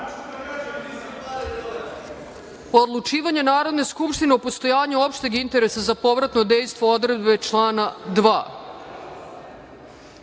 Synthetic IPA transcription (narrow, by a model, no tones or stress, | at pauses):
poːd̪lˠut͡ʃiːʋaɲenaːɾo̞d̪ne̞skupʃt̪ine̞upo̞st̪o̞jaːɲuo̞pʃt̪eɡint̪e̞ɾe̞sazapo̞ʋɾat̪nod̪e̞jst̪vʋood̪ɾe̞d̪be̞t͡ʃlˠaːnad̪ʋa̰ː